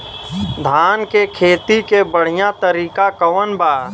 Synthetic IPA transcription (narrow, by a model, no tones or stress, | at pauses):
d̪ʱaːnkekʰeːt̪ikebəɽ̤ɪjãt̪əɾiːkakəʋənbaː